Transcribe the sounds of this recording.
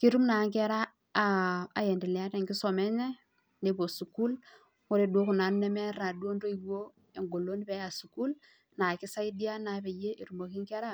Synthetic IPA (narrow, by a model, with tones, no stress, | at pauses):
ki˦ɾu˦mna˨˦ŋke˦ɾaː˦˨ | a̰˨je˨ndi˨lɛ˨a˦te˨ŋki˦so˨me˦ɲe˦ | ne˨bo˨su˨ku˦l | wo˦ɾe˦˨du˨o˦ku˨na˨˦n˦ne˦me˦ɾa˨du˦o˦ndo˦i˨ɡu˦o˦ | e˨ŋɡo˨lːo˦ni˦be˦a˨su˨ku˦l | na˨ki˦sa˦i˦di˦a˦na˨˦be˨je˦ʔi˨ɾu˨ma˨ki˦ŋke˦ɾa˦